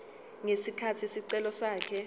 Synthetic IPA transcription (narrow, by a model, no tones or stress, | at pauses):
ŋesikʰatʰisiǀɛlɔsaːkʰɛ